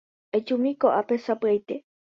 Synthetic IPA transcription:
ʔet͡ʃumikoʔapesapɨajt̪e

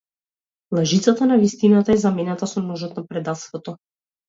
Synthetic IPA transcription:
lˠaʒit̪sat̪anavist̪inat̪aɛzamɛnat̪asɔmnɔʒɔt̪napɾɛd̪at̪st̪vɔt̪ɔ

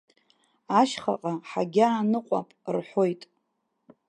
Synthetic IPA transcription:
aʃχa̰qʼaħaɡʲaːnɨqʷʼa̰pʼrħʷo̞jtʼ

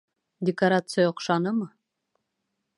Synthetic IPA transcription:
dʲekaɾat̪sɨjaoqʃɑnɤmɤ

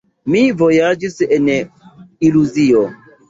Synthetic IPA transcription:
mivojad͡ʒisen | iluzio

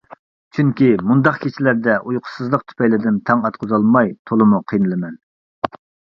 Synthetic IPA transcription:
t͡ʃʰyŋkʲimund̪ɑqkʲʰet͡ʃʰilæɾd̪ɛʔujqʰʊ̥sɨzlˠəq̚t̪ʰy̥pʰɛjlɪd̪ɪnt̪ʰɛŋɑt̪qʰʊzɑlˠmɑjt̪ʰolˠɨmuqʰijnɨlˠɨmɛn

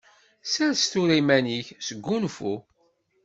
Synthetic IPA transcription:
sæɾst̪uɾimæniçsəɡʷːunfu

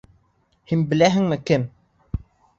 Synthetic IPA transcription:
hinbɘ̆læɦɘ̆ŋmɘkɘm

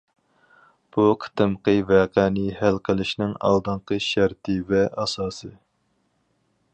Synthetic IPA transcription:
b̥uqʰə̥t̪ɨmqəvɛːqɛːnɪhælqʰəlˠɪʃnɪŋɑ̰lˠd̪ɨŋqəʃæɾt̪ʰɨvɛɑsɑːsɨ

